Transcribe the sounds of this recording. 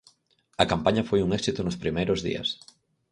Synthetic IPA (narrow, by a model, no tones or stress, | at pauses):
ɐkampaɲɐfojuŋɛksit̪ʊnʊspɾimejɾozðḭɐ̰s